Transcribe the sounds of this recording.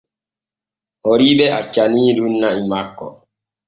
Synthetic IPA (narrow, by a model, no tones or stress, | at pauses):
hoɾiɓɛat͡ʃːaniːɗunːaimakːɔ̰